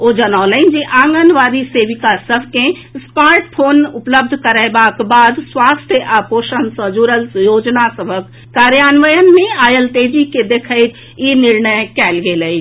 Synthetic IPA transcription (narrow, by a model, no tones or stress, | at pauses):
oːd͡ʒənaʊləɪnd͡ʒiʔãːŋɡənʋaːɾiseːʋɪkasəbʱkẽ | spaːɾʈpʰoːnʊpləb̚d̪ʱkəɾəebaːkbaːd̪swaːst̪ʰjəʔaːpoːʃənsə̃d͡ʒuɾəlsjoːd͡ʒnasəbʱəkːaːɾjaːnʋəjənmẽaːjəlt̪eːd͡ʒiked̪eːkʰəɪt̪ | inɪɾnəjkɛːlɡeləi